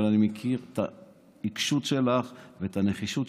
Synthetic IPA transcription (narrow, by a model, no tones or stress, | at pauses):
lanimekʰiʁt̪a̰ | ikʃutʃelaχvet̪aneχiʃut